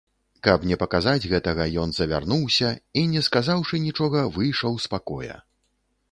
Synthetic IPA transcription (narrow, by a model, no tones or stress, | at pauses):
kɐpnʲɛpɐkazad͡zʲɣɛt̪ɐɣɐjɔnzɐvʲa̰rnuwsʲɐinʲɛskazawʂɨnʲit͡ʂɔɣɐvɨjʂɐwspakɔjɐ̰